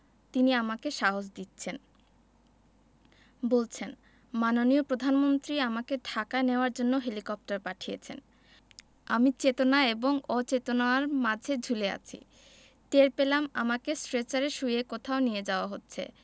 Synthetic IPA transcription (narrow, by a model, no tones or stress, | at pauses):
t̪iniamakeʃaɦod͡ʑd̪itːɕʰen | bolt͡ɕʰen | manonijopɾod̪ʱanmont̪ɾiamakeɖʱakaeneoaɾd͡ʑonːoɦelikɔp̚ʈaɾpaʈʰijḛt͡ɕʰḛn | amit͡ɕet̪onaeboŋɔt͡ɕet̪onaaɾmad͡ʑʱed͡ʑʱulea̰t͡ɕʰḭ | t̪eɾpelama̰makesʈɾet͡ɕaɾeʃujekot̪ʰaonijed͡ʑaoaɦotːɕʰḛ